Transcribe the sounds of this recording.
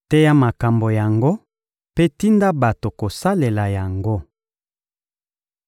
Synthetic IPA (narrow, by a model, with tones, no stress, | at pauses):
tɛ˦ja˦ma˨ka˨mbo˨ja˨ŋɡo˦ | pe˦ti˦nda˦ba˨to˨ko˨sa˦le˨la˨ja˨ŋɡo˦